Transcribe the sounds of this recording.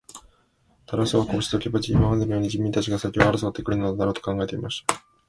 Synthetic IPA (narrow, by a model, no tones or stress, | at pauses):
t̪aɾasoβakoːɕi̥t̪okʲibɯt͡ɕiimaand̪emʲijoːɲ̟id͡ʑimʲĩnt̪at͡ɕiɡasakʲoaɾɯsot̪ːekɯ̟ɾɯ̟nd̪enaɾo̞ːt̪o̞̥kãŋɡae̞t̪e̞imaɕi̥t̪ḁ